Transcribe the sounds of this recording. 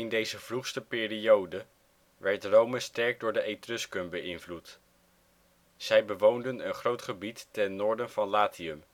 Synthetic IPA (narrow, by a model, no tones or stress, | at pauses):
ɪndejzəv̥ruχstəpɪːriowdə | ʋɛɹtrowməstɛɹk̚dʊːɹdəʔejtrʏskəmbəʔɪnvlut | z̥ɛjbəʋowndənənχrowtχəbitːɛnːʊːɹdənv̥ɑnlaːtʰiəm